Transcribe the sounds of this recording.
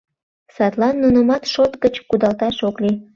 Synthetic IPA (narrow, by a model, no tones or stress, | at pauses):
sɑt̪lɑnːunəmɑt̪ʃot̪ɡət͡ɕkud̪ɑlt̪ɑʃokli